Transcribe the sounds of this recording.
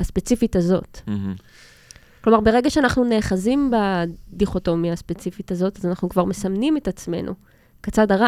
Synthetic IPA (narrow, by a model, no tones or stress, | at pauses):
aspe̞t͡sifitazo̞̰t | klo̞maʁbe̞ʁe̞ɡaʃeanaχnune̞ːχazimbadiχo̞to̞mjaːspet͡sifitazo̞tazanaχnukvaʁme̞samnimetat͡sme̞̰nʔṵ | kat͡sadaʁa